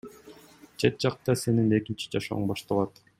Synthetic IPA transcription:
t͡ʃʰet̪̚d͡ʒɑq̚t̪ɑse̞nine̞kint͡ʃi̥d͡ʒɑʃo̰ɴbɑʃt̪ɑlˠɑt̪

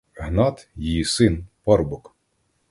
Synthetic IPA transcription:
ɦnɑt̪jijisɪnpɔrbʊk

